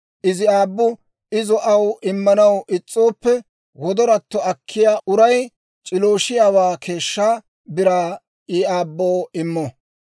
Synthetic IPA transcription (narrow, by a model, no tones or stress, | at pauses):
ʔɪzɪaːbːʊ | ɪzɔʔɐwʔɪmːɐnɐwʔɪt͡sʼːoːpːɛ | wɔd̪ɔɾɐt̪ːɔɐkʰːɪjaːʔʊɾɐj | t͡ʃʼɪloːʃɪjaːwaːkʰe̞ːʃːaː | bɪɾaː | iaːbːoːɪmːɔ